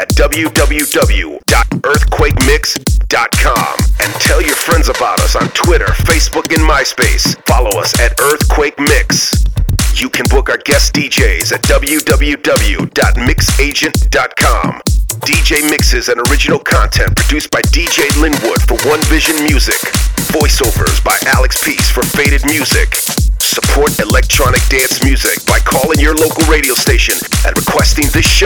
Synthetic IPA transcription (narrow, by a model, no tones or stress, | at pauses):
ɨt̚d̥ʌbl̩ˠjʉdʌbl̩ˠjʉdʌbl̩ˠjṵd̥ɑɾɜ˞θkʰw̥eɪk̚mɪksd̥ɑt̚kʰɑ̰̃mɨ̃ntʰɛlˠjə˞fɹɛ̃ndzəbaʊɾʌ̰sn̩tʰw̥ɪɾə̰˞feɪsb̥ʊkɨ̃nmaɪspeɪsfɑlˠoʊʌ̰sɨɾɜ˞θkʰw̥eɪk̚mɪks | jɨkʰɨ̃nbʊkaʊə˞ɡɛsd̥id͡ʒeɪzɨt̚d̥ʌbl̩ˠjʉdʌbl̩ˠjʉdʌbl̩ˠjʉ̰dɑ̰t̚mɪkseɪd͡ʒɨ̃nd̥ɑt̚kʰɑ̰̃md̥id͡ʒeɪmɪksɨzɨ̃nə˞ɪd͡ʒɨnl̩ˠkʰɑ̃ntʰɛ̃npʰɹ̥ɨdʉsb̥aɪdid͡ʒeɪlɪ̃nwʊd̥fə˞wʌ̃nvɪʒɨ̃nmjʉzɪ̰kvɔɪsoʊvə̰˞zbaɪʔælˠɨkspʰisfə˞feɪɾɨd̚mjʉzɪ̰k | səpʰɔɹɾɨlɛk̚tʰɹ̥ɑnɨk̚d̥æ̃nsmjʉzɪk̚b̥aɪkʰɔlˠɪ̃ŋjə˞loʊkl̩ˠɹeɪɾioʊsteɪʃɨ̃nʔɨ̰̃nɹɨkʰw̥ɛstɪ̃ŋðɪsʃ